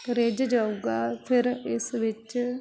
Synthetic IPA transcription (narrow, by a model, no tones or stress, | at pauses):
ɾeːd͡ʒd͡ʒaːuɡaːpʰɪɾɪsʋɪt͡ʃ